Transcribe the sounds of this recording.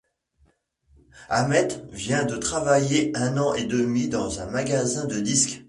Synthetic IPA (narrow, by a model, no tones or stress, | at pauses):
amɛt̪vjɛ̃d̪ət̪χavajeɛ̃nɑ̃ʔed̪əmɥid̪ɑ̃zɛ̃maɡazɛ̃d̪əd̪isk